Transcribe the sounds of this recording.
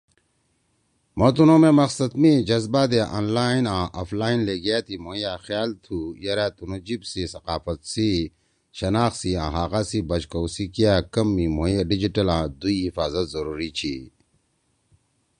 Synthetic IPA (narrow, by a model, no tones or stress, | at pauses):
mot̪unõːmẽmɐqsɐt̪mĩd͡ʑɐzbaːd̪eʔa̰ːnlaːinãːʔafʰlaːinleːɡjat̪ʰimoːijaːxjaːlt̪ʰuːjɐɾat̪unod͡ʑibsisɐqaːfɐt̪si | ɕɐnaːxsiãːɦaːɣaːsibɐt͡ʃkɐwsikijaːkɐmːĩmojaɖid͡ʑiʈɐlãːd̪uiɦifaːzɐt̪zɐɾuːɾit͡ɕʰiː